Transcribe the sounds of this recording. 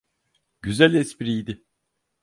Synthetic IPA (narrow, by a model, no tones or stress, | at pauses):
ɟyzælʲɛsbiɾijd̪ɪ